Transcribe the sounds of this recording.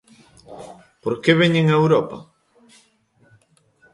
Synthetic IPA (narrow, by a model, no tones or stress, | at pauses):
poɾkeβeɲeŋaewɾɔpɐ̰